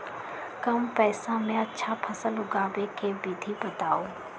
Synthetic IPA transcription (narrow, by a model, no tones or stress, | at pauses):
kɐmpɛːsãmẽətːʃʰapʰɐsəlʊɡaːʋekebid̪ʱibɐt̪aːoː